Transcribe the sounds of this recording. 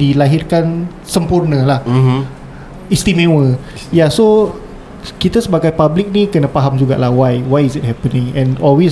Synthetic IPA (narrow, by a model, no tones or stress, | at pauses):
dilaɦɪrkan | səmpurnə̃lah | ist̪imẽwə | jaso | kit̪asəbaɡajpablik̚nikənãpaɦamd͡ʒuɡa̰ʔlahwajwajisit̚hɛpənɪ̃ŋɛ̃nɔlwi